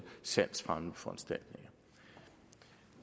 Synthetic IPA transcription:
sæn̰sfʁamfɒ̽ænsd̥æl̰d̥ne̝ŋɐ

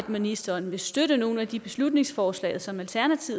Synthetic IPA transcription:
d̥minisd̥ɐnʋe̝sd̥øɾəno̝ːn̩æd̥ib̥e̝slud̥ne̝ŋsfɒːslɛ̰ːɪð̩ˠsɒ̽mælt͡sʰæɐnæt͡sʰi

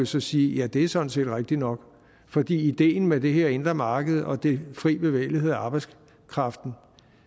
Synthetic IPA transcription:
osɒ̽siːjæd̥e̝æɐsɒ̽n̩se̝̰ːd̥ʁaɡ̥̚d̥inɒ̽ɡ̥ | fɒ̽d̥ḭːid̥e̝̰ːn̩med̥e̝ɦeɐ̰e̝nd̥ʁɐmɑ̈ːɡ̥əð̞̩ˠɒ̽d̥e̝fʁḭːb̥e̝ʋḛːɪlihe̝ð̞̰ˠæɑ̈ːb̥ɑ̈ɪs | kʰʁɑ̈fd̥n̩

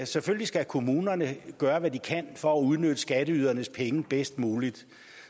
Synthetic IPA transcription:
seføllisɡ̥ækʰo̝muːnɐnəɡ̥ɶːɐʋæd̥ikʰænfɒ̽æuð̞ˠnød̥əsɡ̥æd̥əyːð̞ˠɐnəspʰeŋəb̥esd̥muːlid̥

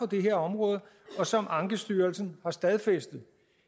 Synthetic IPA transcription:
ɒ̽d̥e̝ɦeɐ̰ɒ̽mʁɔ̽ːð̞ˠə | ɒ̽sɒ̽mʔɑ̈ŋɡ̥əsd̥yːɐlsn̩hɑ̈sd̥æð̞ˠfesd̥ð̩ˠ

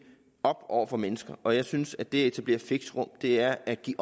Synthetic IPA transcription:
ɒ̽b̥ɒ̰ʊ̰ɐfɒ̽menəsɡ̥ɐʔɒ̽jɑ̈ɪsynsæd̥e̝æe̝t͡sʰæb̥le̝̰ɐfe̝ɡ̥sʁɔ̽m̰d̥e̝æɐæɡ̥ḭː

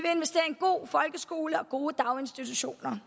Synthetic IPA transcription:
ʋe̝e̝nʋesd̥e̝̰ːɐenɡ̥o̝̰ːfɒ̽lɡ̥əsɡ̥o̝ːləɒ̽ɡ̥o̝ːəd̥ɑ̈ʊe̝nsd̥it͡sʰuɕo̝̰ːnɐ

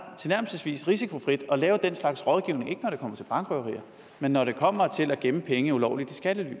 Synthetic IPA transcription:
t͡sʰe̝næɐ̰m̩sisʋḭːsʁisikʰo̝fʁid̥ɒ̽lɛːʊəd̥enslɑ̈ɡ̥sʁɒ̽ð̞ˠɡ̥iʊ̰ne̝ŋe̝ɡ̥ənɒɾe̝kʰɒ̽m̰ɐt͡sʰe̝lb̥ɑ̈ŋɡ̥ʁœʁḭːɐ | menːɒɾe̝kʰɒ̽m̰ɐt͡sʰe̝læɡ̥eməpʰeŋəiulɒʊlid̥isɡ̥æd̥əly̰ː

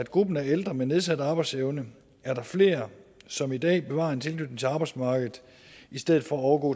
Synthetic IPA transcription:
æd̥ɡ̥ʁub̥n̩æɐeld̥ʁɐmene̝ð̞ˠsæd̥ɑ̈ːb̥ɑ̈ɪd̥seʊnə | æɐɾɑ̈fle̝̰ːɐsɒ̽mid̥ɛ̰ːb̥e̝ʋɑ̰̈ːe̝nt͡sʰe̝lɡ̥ʰnyd̥n̩t͡sʰe̝ɑ̈ːb̥ɑɪdsmɑ̈ːɡ̥ð̞̩ˠ | isd̥eð̩ˠfɒ̽æɒʊɐɡɔ̰ː

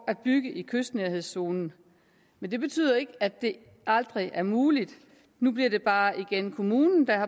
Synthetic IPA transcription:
æd̥̚b̥yɡ̥əʔikʰøsd̥næɐhe̝ð̞̰ˠso̝ːnn̩ | mend̥e̝b̥e̝t͡sʰy̰ːð̰ˠɐe̝ɡ̥əæd̥e̝ | ɑld̥ʁiʔæɐmuːlid̥ | nub̥liɐd̥e̝b̥ɑ̈ːʔiɡ̥enkʰo̝muːnn̩d̥ɑ̈hɑ̈

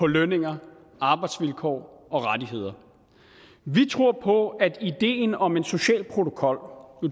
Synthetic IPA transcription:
pʰɒ̽løne̝ŋɐ | ɑ̈ːb̥ɑ̈ɪd̥sʋilkʰɒ̰ː | ɒ̽ʁadiɦe̝ð̰ˠɐ | ʋit͡sʰʁo̝ɐ̰pʰɒ̽ædid̥e̝̰ːnɒ̽me̝nso̝ɕɛ̰ːlpʰʁo̝t͡sʰo̝kʰɒ̽l̰

